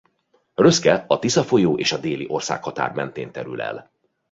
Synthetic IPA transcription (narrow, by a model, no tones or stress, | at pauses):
røskɛɒt̪isɒfo̞joːʔeːʃɒd̪eːliʔo̞rsa̰ːkhɒt̪a̰ːrmɛnt̪eːnt̪ɛɾylɛ̰l